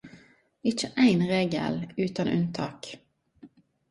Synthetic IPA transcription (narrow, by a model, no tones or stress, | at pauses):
ɪt͡ʃəʔæɪnʁeːɡə̰lʉːt̪ɑnʔʉ̰nt̪ʰɑ̰ːk